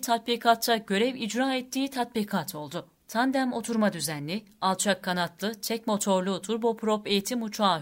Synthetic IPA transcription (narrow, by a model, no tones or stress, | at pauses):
t̪ʰat̪̚biːkʰat̪t͡ʃːaɟø̞ɾɛvid͡ʒɾaːɛt̪ːiːt̪ʰat̪̚bikʰat̪ʰo̞lˠd̪ʊ | t̪ʰand̪æmo̞t̪ʰuɾmad̪yzænlʲi | alˠt͡ʃʰakʰːanat̪ʰlˠɯt͡ʃʰɛcmo̞t̪ʰo̞ɾlˠut̪ʰuɾbopʰɾope̞jit̪ʰimut͡ʃʰaː